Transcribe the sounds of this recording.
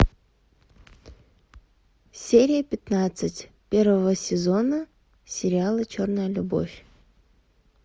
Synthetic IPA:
sʲeɾʲɪjəpʲɪt̪nat̪sɨtʲ | pʲe̞rvəvəsʲɪzo̞nə | sʲɪɾʲɪalˠət͡ɕornəjəlʲʊbo̞̰fʲ

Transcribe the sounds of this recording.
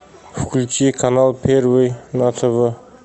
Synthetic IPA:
fʊkʲʰʊlʲt̪ʲekʰanalˠpʰeɾvejnat̪ʰovə

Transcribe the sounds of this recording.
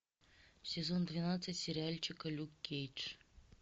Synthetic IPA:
sʲɪzond̪vʲɪnat̪sɨtʲsʲɪɾʲɪalʲt͡ɕɪkəlʲukʲːejt͡ʂ

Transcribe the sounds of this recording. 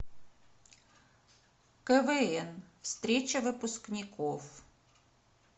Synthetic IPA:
kɛvɛɛnfst̪ɾʲet͡ɕɐvɨpʊsknʲɪkof

